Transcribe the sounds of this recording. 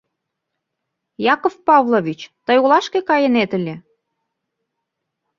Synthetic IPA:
jɑkofpɑvlˠoβʲit͡ɕt̪əjulɑʃkekɑjənet̪əlʲe

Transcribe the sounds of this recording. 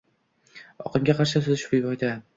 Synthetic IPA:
ɒ̰qʰɨmɡʲaqʰɑɾʃasʊzɪʃɪ̥pɪjbɒjd̪a

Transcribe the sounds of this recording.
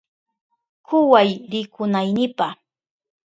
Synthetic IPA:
kʰʊwajɾɪkʰʊnajnɪpa

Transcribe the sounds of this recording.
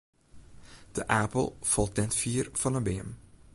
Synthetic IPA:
d̥əʔaːpəl̩ˠfɑlˠtnɛtfiːɾv̥ɑnəbeːəm

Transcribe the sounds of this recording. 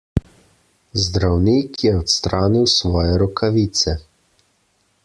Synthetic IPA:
zd̪ɾawniːkʰjɛɔt̪st̪ɾaːniwsʋɔːjɛɾɔkʰaʋiːt̪sɛ

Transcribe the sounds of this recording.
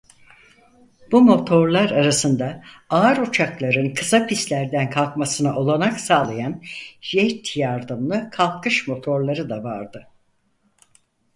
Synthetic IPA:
b̥umo̞t̪ʰo̞ɾlˠaɾaɾasɯnd̪aaːɾut͡ʃʰaklˠaɾɯnkʰɯsapʰist̪lʲæɾd̪ænkʰalˠkmasɯnɯʔo̞lˠanaksaːlˠajanʒejt̪ʰjaɾd̪ɯmlˠɯkʰalˠkʰɯʃmo̞t̪ʰo̞ɾlˠaɾɯd̪avaɾd̪ɯ

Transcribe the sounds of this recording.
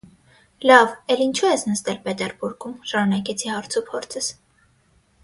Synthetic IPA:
lɑvɛlint͡ʃʰuɛsnəst̪ɛlpɛt̪ɛɾbuɾɡumʃɑmunɑkɛt͡sʰihɑɾt͡sʰupʰɔɾt͡sʰəs

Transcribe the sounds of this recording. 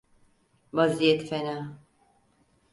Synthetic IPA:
vazijɛt̪fɛna

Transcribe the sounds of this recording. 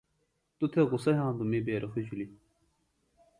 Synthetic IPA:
t̪ut̪ʰeɣʊsɐɦãːnd̪umibeːɾʔɐxid͡ʑuli

